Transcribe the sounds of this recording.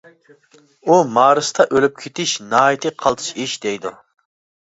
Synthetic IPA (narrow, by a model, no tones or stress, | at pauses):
umɑːɾɨst̪ʰɑʔølyp̚kʲʰet̪ʰɪʃnɑːit̪ʰɨqʰɑlˠt̪ʰɨ̥ʃiʃd̪ɛjd̪u